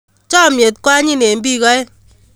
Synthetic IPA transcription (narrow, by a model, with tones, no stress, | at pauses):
t͡ʃɔ˦˨mje˨t̚kwa˦ɲi˦ne˨m˦bi˦kɔ˦ɛ˦